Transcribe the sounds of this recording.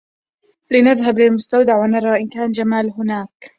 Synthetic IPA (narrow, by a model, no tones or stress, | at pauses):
lɪnaðɦablɪlmʊst̪awd̪aʕwanɑɾˤɑːʔɪnkaːnd͡ʒamaːlɦʊnaːk